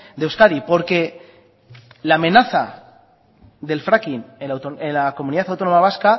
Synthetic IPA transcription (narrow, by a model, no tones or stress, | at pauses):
d̪ewskaðipo̞ɾke̞ | laːmẽ̞naθa | ðe̞lfɾakinewt̪oelakomũniðaθawt̪o̞no̞maβ̞aska